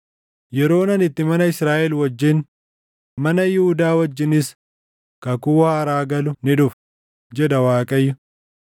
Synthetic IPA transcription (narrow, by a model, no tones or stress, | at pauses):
jɛɾo̞ːnɐnɪt̪ːɪmɐnɐɪsɾaːʔɛlwɐd͡ʒːɪn | mɐnɐjɪhʊd̪aːwɐd͡ʒːɪnɪs | kɐkuːɐɐɾaːɡɐlʊnɪd̪ʊf | d͡ʒɛd̪ɐwaːkʼɐjːʊ